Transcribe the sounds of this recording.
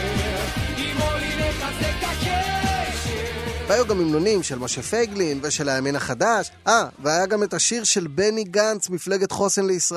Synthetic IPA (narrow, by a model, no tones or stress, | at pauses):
ɡimolinetatekake | veajuɡamimnonimʃelmoʃefeɡlinve̞ʃe̞lajaminaχadaʃ | ʔaveajaɡame̞taʃiʁʃe̞lbe̞niɡant͡smifle̞ɡe̞tχo̞senleisʁ